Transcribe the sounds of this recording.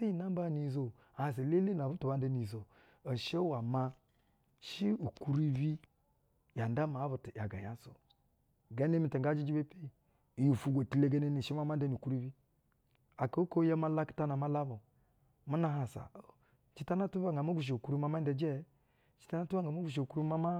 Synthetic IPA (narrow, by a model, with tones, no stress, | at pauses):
si˦i˦˨na˦m˦ba˦˨ni˨zo˨ | a˨ha˨s̬a˨le˦le˦n˨a˨bu˦tu˨ba˦n˦da˦ni˨zo˨ | o˨ʃe˦wa˨ma˦ | ʃi˦u˨ku˦ɾi˦bi˦ | ja˨nda˦ma˨˦βu˨ti˨ja˨ɡa˨ja˦so̰˨ | ɡa˦ne˦mi˨ta˨ŋɡa˦d͡ʒi˦d͡ʒi˦be˦pi˦˨ | ju˨fu˨ɡʷo˨ti˨le˦ɡa˦ne˦ni˨ʃi˦ma˦m˦a˦n˦da˦ni˨ku˦ɾu˦bi˦ | a˨ko˨˦ko˦ja˦ma˦la˦ki̥˦ta˦na˨ma˦la˦bo˨ | mu˦na˨ɦa˨sa̰˨ | t͡ʃi˦ta˦na˦tu˦ba˦ŋɡa˨mo˦ɡʷu˨ʃ̬e˨u˨ku˦ɾu˦ma˦ma˦de˨d͡ʒɛ˦ | t͡ʃi̥˦ta˦na˦tu˦ba˦ŋɡa˨mo˦ɡʷu˨ʃ̬e˨u˨ku˦ɾu˦ma˦ma˦